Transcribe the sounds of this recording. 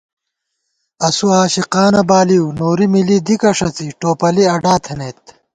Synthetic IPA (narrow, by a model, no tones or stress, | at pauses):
ɐsuaːɕiqaːnɐbaːliwnoːɾimilid̪ikɐʂɐt͡siʈoːpɐliɐɖaːt̪ʰɐneːt̪̚